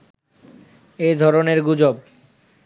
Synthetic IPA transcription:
ed̪ʱɔɾoneɾɡud͡ʑob

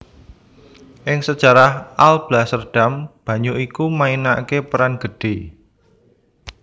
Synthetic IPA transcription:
ʔɪŋsəd̥ʒ̥a̤ɾahalb̥lasərɖ̥a̤mb̥a̤ɲuʔikumainakepəɾanɡ̥ə̤ɖ̥e̤

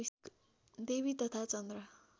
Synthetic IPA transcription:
d̪ebit̪ʌt̪ʰat͡sʌnd̪rʌ

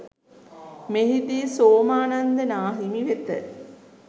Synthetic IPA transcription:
meɦid̪iːsoːmaːnand̪ənaːɦimiʋet̪ə̰

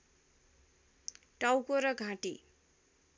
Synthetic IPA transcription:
ʈawkoɾʌɡʱãʈi

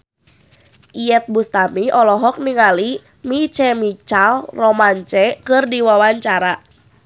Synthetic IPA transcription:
ʔiɛt̪̚bust̪amiɔlɔɦɔk̚niŋali | mit͡ʃɛmit͡ʃalrɔmaɲt͡ʃɛkɨrdiwawaɲt͡ʃaɾa

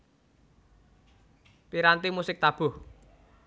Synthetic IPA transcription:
piɾant̪imusɪk̚t̪ab̥ʊ̤h

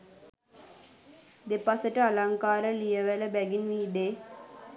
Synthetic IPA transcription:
d̪epasəʈəalaŋkaːɾəlijəʋɛləbɛɡinʋiːd̪e

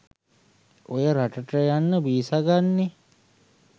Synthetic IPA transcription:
ojəɾaʈəʈəjanːəbiːsaɡanːe

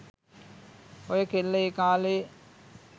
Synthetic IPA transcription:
ojəkelːeekaːle

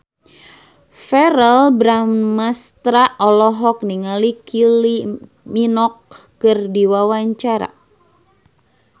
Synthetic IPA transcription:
fɛɾɛlbɾammast̪ɾaʔɔlɔɦɔk̚niŋalikili | minɔkː | ɨrdiwawaɲt͡ʃaɾa̰

